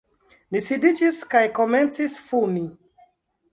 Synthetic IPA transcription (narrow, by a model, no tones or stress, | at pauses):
nisidit͡ʃiskajkɔmɛ̃ntisfɔmi